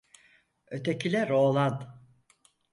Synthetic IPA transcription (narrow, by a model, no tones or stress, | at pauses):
øt̪ʰecʰilʲɛɾoːlˠand̪